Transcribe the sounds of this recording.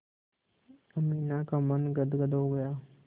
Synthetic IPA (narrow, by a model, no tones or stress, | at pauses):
əmiːnaːkaːmənɡəd̪ɡəd̪ɦoːɡəjaː